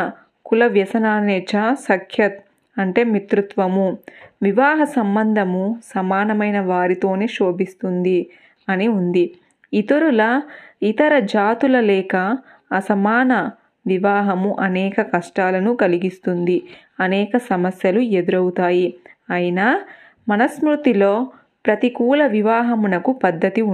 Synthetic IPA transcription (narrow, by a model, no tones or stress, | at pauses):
kulɐʋjɐsɐnaːnɛːt͡ʃasɐkʰjɐt̪̚ | ɐɳʈe̞ːmit̪ɾut̪ʋɐmuʋiʋaːɦɐsɐmbɐnd̪ʱɐmusɐmaːnɐmɐjnɐʋaːɾit̪o̞ːne̞ːʃo̞ːbist̪und̪i | ɐniund̪i | it̪ɐɾulɐit̪ɐɾɐd͡ʒaːt̪ulɐlɛːkɐː | sɐmaːnɐ | ʋiʋaːɦɐmuʔɐnɛːkɐkɐʂʈaːlɐnukɐliɡist̪und̪i | ɐnɛːkɐsɐmɐsjɐlue̞d̪uɾɐwut̪aːjiɐjɐna | mɐnɐsmɾut̪ilo̞ː | pɾɐt̪ikuːlɐʋiʋaːɦɐmunɐkupɐd̪ʱːɐt̪i